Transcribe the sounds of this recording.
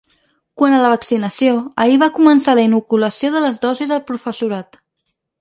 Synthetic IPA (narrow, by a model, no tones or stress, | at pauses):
kwanələβəksinəsijoəiβ̞akumənsaləinukuləsioðələzðɔzizðəlˠpɾufəsuɾat̪